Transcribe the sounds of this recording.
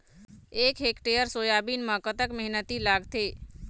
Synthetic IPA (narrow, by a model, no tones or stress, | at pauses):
eːkɦekʈejəɾsoːjabinmãkət̪əkməɦnət̪ilaːɡt̪eː